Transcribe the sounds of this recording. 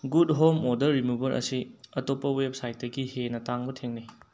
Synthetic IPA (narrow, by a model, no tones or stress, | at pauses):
ɡudɦomodɐɾːimubɐɾʔɐ̰siɐtopːɐwep̚sajt̚dɐɡihenɐtaŋbɐtʰeŋni